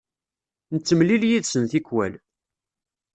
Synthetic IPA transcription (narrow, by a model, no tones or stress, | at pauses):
nət͡sːəmliljiðsənθikwæl